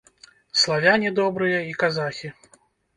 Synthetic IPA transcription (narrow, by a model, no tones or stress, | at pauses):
slˠavʲanʲid̪ɔbɾɨjɐikazaxʲi